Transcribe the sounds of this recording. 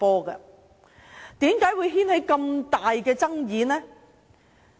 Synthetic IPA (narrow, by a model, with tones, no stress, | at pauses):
ɔː˥ɡɐ̰˧ | t̪iː˨˥mkaː˨˥jwuː˨˧jɦiː˥nhe˨˥jkɐ˧mt̪aː˨jkɛː˧t͡sɐ˥ŋjiː˨˥nɛː˥